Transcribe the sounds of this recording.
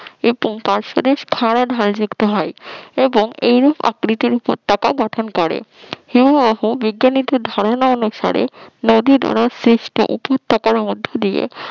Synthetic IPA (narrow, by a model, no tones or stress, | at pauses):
eppaɾʃod̪eʃkʰaɾaɖʱald͡ʑukt̪oɦɔjeboŋejɾupʰa̰kɾit̪iɾupo̰ɾt̪ːakaɡɔʈʰonkɔɾḛheboɦubiɡːanit̪od̪ʱaɾonaonuʃa̰ɾḛnod̪id̪ʱɔ̰ɾasɾiʃʈo̰ʔupot̪ʰːakaɾmod̪ʱːod̪ijḛ